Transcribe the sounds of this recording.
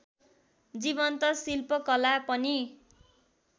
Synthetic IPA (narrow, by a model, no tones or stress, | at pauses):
d͡zibʌnt̪ʌsilpʌkʌlapʌni